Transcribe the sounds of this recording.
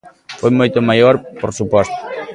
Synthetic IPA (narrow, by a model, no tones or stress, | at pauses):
fojmojt̪omajoɾpoɾsupwɔst̪o̥